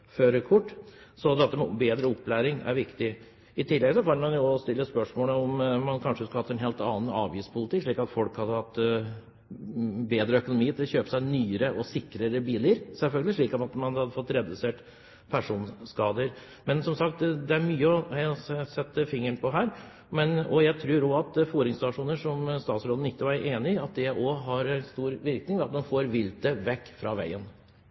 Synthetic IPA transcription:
føːɾəkʰʊʈːsɔd̪ɛt̪ːəmɛbeːd̪ɾəɔpːlæːɾɪŋæ̰ɾʋɪkt̪ɪ | ɪt̪ʰɪlːɛɡsɔkʰɑnmɑnjʊɔst̪ɪlːəspœʂmoːləɔmmɑnkʰɑnʂəskɑhɑt̪ːɛnɦeːlt̪ɑːn̩ɑːʋjiːspʰʊlɪt̪ʰɪːkːʂɭiːkɑt̪fɔlkhɑd̪ːəhɑt̪ː | beːd̪ɾəœkʊnʊmiːt̪ʰɪlçøːpə̥sæɪnyːəɾəʔɔsɪkːɾəɾəbiːləɾsɛlfœlɡəlɪʂɭiːkɔmɑt̪mɑnhɑd̪ːəfɔt̪ːɾɛd̪ʉseːʈ | pʰæʂuːnskɑːd̪əɾ | mɛnsɔmsɑkt̪d̪ɛæɾmyːəɔæsɛt̪ːəfɪŋːəɳpʰɔɦæːɾ | mɛnɔjæɪt̪ʰɾʉːɾɔɑt̪fuːɾɪŋst̪ɑʂuːnəʂɔmst̪ɑːt̪sɾoːn̩ɪt̪ːəʋɑɾeːnɪɑt̪̚d̪ɛɔɦɑɾɛnst̪uːɾʋɪɾknɪŋʋɛɑt̪̚mɑnfoːɾʋɪlt̪əʋɛkːfɾɑːʋæ̰ɪən

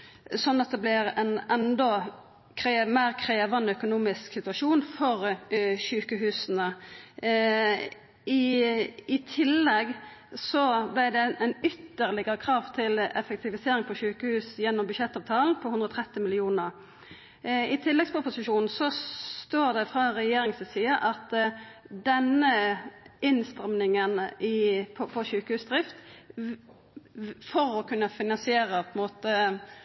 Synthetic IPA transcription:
sɔnːɑt̪̚d̪ɛblɪʁɛnɛnd̪ɔ | kʰɾemæːʁkʰʁeːʋɑnœkʊnuːmɪsksɪt̪ʉɑʃuːnfɔʁʃʉːkəɦʉːsən̩ə | ɪ | ɪt̪ʰɪlːɛɡsɔblɪd̪ɛɛnʏt̪ːəʁlɪɡəɾəkʰʁɑːʋt̪ʰɪlɛ̰fɛk̚t̪ɪʋɪseːɾɪŋpʰɔʃʉːkəhʉːsjɛnːɔmbʉʃɛt̪ːɑːʋt̪ʰɑːln̩pʰɔhʉnd̪ʁəɔːt̪ʰʁɛt̪ːɪmɪlɪuːnəʁ | ɪt̪ʰɪlːɛɡspʰʊpʊsɪʃuːnn̩sɔt̪oːʁd̪ɛfʁɑʁɛjeːɾɪŋsəsiːəʔɑt̪ | d̪ɛnə | ɪnst̪ʁɛmnɪŋənɪpʰɔpʰɔʃʉːkəhʉːsd̪ɾʁɪft̪ | fɔɾɔkʰʉnːəfɪnɑnsɪeːʁəpʰɔɛnmoːt̪ə

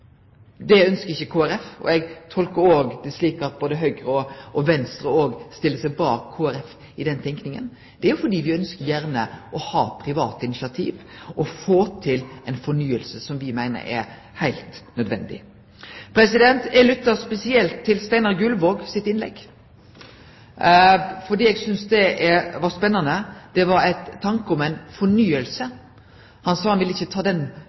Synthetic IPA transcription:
d̪ɛœnskəɾɪçːəkʰoːæɾɛfɔ̰ɛɡt̪ʰɔlkəɾoːɡd̪ɛsliːkəɑt̪̚boːd̪əɦœʏɡɾəɔɔʋɛnst̪ɾəoːɡst̪ɪlːəsɛɪbɑːkʰːoːæɾɛf | ɪd̪ɛnt̪ʰɛŋknɪŋə̰n | d̪̥ɛæɾjʊfɔɖiːʋɪœnskəɾjæɾnəʔɔhɑ̰ːpʰɾɪʋɑːt̪ɪnɪʃɑt̪ʰḭːʋʔɔfoːt̪ʰɪlɛɪnfɔɳyːəlsəsɔmʋɪmæɪnə̰ɛ̰ɾ | hæɪlt̪nœd̪ʋɛ̰nd̪ɪ̰ | pʰɾɛsɪd̪ɛnt̪ɛlʉt̪ːɑspɛsɪɛlt̪ʰːɪlst̪æɪnɑɾɡʉlʋoːɡsɪt̪ɪnlɛ̰ɡ | fɔɖiːɛːɡsʏnsd̪ɛʔɛʋɑspɛnːɑnəd̪̥ɛʋɑɾæɪt̪ʰːɑŋkəɔmæɪnfɔɳyːəlsə | hɑnsɑːhɑnʋɪlːɪçːət̪ʰɑːd̪ɛn

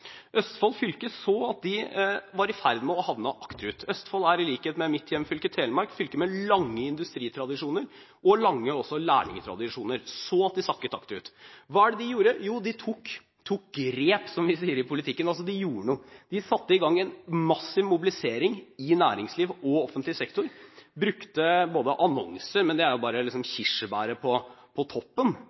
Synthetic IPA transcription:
ʔœst̪fɑlfʏlkəsɔɑt̪̚d̪ɪʋɑɾɪfæɾd̪mɛɔhɑʋnəʔɑkt̪ɾʉːt̪ʰœst̪fɑlæɾɪliːkheːt̪mɛmɪt̪ʰːjɛmːfʏlkət̪ʰeːlmɑɾkfʏlkəmɛlɑŋːəɪnd̪ʉst̪ɾiːt̪ʰɾɑd̪ɪʂuːnəɾ | ʔɔlɑŋːəɔsɔlæ̰ːɳɪ̰ŋət̪ʰɾɑ̰d̪ɪʂuːnəɾsɔɑt̪̚d̪ɪsɑkːət̪ɑ̰kt̪ɾʉ̰ːt̪ʋɑːæɖɛd̪ɪjuːɾəjuːd̪ɪt̪ʰuk | t̪ʰuːk̚ɡɾeːpsɔmʋɪsiːəɾɪpʰʊlɪt̪ʰɪkːənɑls̬ɔd̪ɪjuːɾəɳuːd̪̥ɪsɑt̪ːəɪɡɑŋːɛnmɑsːɪʋmʊbɪlɪseːɾɪŋɪnæːɾɪŋsliːʋɔɔfənt̪lɪsɛkt̪ʊɾbɾʉkt̪əboːd̪əʔɑnɔ̰ŋsəɾmɛnd̪ɛæɾjʊbɑːɾəlɪksɔmçɪʂəbæːɾəpʰɔpʰɔt̪ʰɔpːən

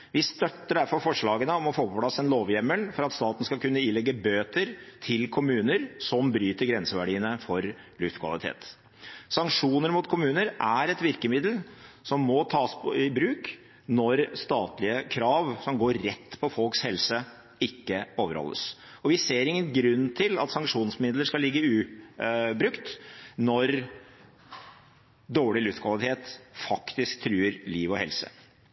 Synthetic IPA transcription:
ʋɪst̪œt̪ːəɖæɾfɔɾfɔʂɭɑːɡənəɔmɔfoːpɔpʰlɑsːɛnloːʋjɛməlfɔɾɑt̪st̪ɑːt̪n̩skɑkʉnːəɪlɛɡːəbøːt̪əɾt̪ʰɪlkʰʊmʉːnəɾsɔmbɾyːt̪əɾɡɾɛnsəʋæɖiːənəfɔɾ | lʉft̪kʰʋɑ̰lɪt̪ʰḛːt̪ | sɑŋkʂuːnəɾmʊt̪kʰʊmʉːnəɾʔæɾɛt̪ʋɪɾkəmɪd̪l̩sɔmːɔt̪ʰɑːspɔɪbɾʉːk | nɔɾst̪ɑːt̪lɪəkʰɾɑːʋsɔmɡoːɾːɛt̪ːpʰɔfɔlkshɛlsə | ɪkːəoːʋəɾhɔ̰lːə̰s | ɔʋɪseːɾɪŋːənɡɾʉnːt̪ʰɪlɑ̰t̪sɑŋkʂuːnsmɪd̪ləʂkɑlɪɡːəʉː | bɾʉkt̪nɔɾ | d̪oːɭɪlʉft̪kʰʋɑlɪt̪ʰeːt̪fɑkt̪ɪskt̪ʰɾyːəɾliːʋɔhɛ̰lsə̰

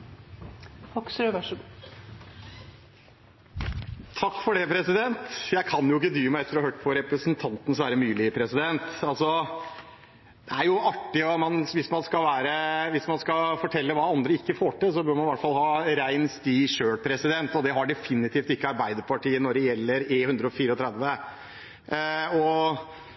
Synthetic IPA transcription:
hɔksɾøːʋæʂɡ | t̪ʰɑkːfɔɖɛpʰɾɛsɪd̪ɛnt̪jæɪkʰɑnjʊɪkːəd̪ɾyːmæɪɛt̪əɾɑhøːʈpʰɔɾɛpɾəsnt̪ʰɑnt̪ənəsʋæːɾəmyːlɪpʰɾɛsɪd̪ɛnt̪ɑlsɔ | d̪ɛæɾjʊʔɑʈːɪɔmɑnʋɪsmɑnskɑlʋæːɾəʋɪsmɑnskɑfɔʈʰɛlːəʋɑːɑnd̪ɾəɪkːəfoːʈɪlsɔbøːɾmɑnʋæʈːfɑlhɑːɾæɪnst̪iːʂøːɽpʰɾɛsɪd̪ɛnt̪ɔd̪ɛɦɑɖɛfɪnːɪt̪ʰiːft̪ɪkːəɑɾbæɪd̪əɾpʰɑʈiːənɔɖɛjɛlːəɾehʉnd̪ɾəɔfiːɾəɔt̪ʰɾɛd̪ʋə | ɔ

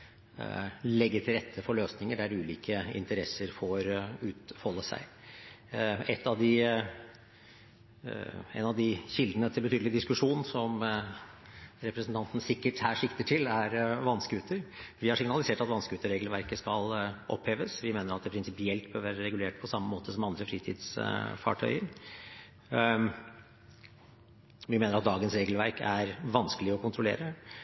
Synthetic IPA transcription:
lɛɡːət̪ʰɪlɾɛt̪ʰːəfɔɭøːsnɪŋəɖæɾʉːliːkʰəɪ̰nt̪əɾɛsːəɾfɔɾʉːt̪hɔlːəsæ̰ɪ | ɛt̪ːɑʋd̪ɪ | ɛ̰nɑʋd̪ɪçɪld̪ənət̪ʰɪlbət̪yːd̪lɪd̪ɪskʉʂuːnn̩sɔm | ɾɛpɾəsn̩t̪ʰɑnt̪n̩sɪkːəʈhæːʂɪkt̪əʈʰɪlæɾʋɑnskəʉːt̪ʰəɾʋɪhɑʂɪŋnɑlɪseːʈɑt̪ʋɑnskəʉːt̪əɾeːɡlʋæɾkəskɑlʔɔ̰pheːʋəsʋɪmeːnəɾɑt̪̚d̪ɛpʰɾɪnsɪpɪɛlt̪bøːɾʋæːɾəɾɛɡʉleːʈpʰɔsɑmːəmoːt̪əsɔmɑnd̪ɾəfɾiːt̪ʰɪ̰ːd̪sfɑ̰ʈʰœ̰ʏəɾ | ʋɪmeːnəɾɑt̪̚d̪ɑːɡənsɾeːɡəlʋæɾkʰæɾʋɑnskəlɪɔkʊnt̪ʰɾʊlḛːɾə

